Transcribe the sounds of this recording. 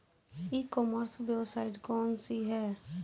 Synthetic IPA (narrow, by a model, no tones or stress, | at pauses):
iːkɔməɾsbeːsaːɪʈkɔːnsiɦɛː